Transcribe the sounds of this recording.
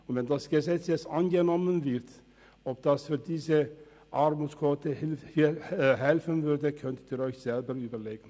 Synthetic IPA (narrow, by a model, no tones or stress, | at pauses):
ʊnvɛnd̪ɑsɡ̥əzɛtt͡sjɛstɑnɡənɔmːənvɪɾt̪ | ɔp̚d̪̥ɑsfyːdiːsə | ʔɑɾmuːtskʰot̪əhɦɛlfənvʏɾdəkʰœnt̪ədiːɾɔʏçz̥ɛlbəɾyːbəɾleːɡən̩